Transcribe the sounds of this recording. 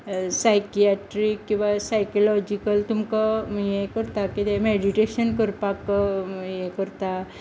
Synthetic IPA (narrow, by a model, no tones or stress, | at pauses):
sajkiaʈɾikːĩw̃ʋasajkɔlɔd͡ʒikəlt̪umkajekəɾt̪akid̪emeɖiʈeɕənkəɾpakjekəɾt̪a